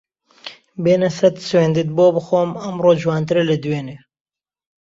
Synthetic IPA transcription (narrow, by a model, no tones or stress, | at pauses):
beːnɐsɐt̪sweːnd̪it̪̚boːbɨxoːmɐmroːd͡ʒwɑːnt̪ɨɾelɨd̪weːneː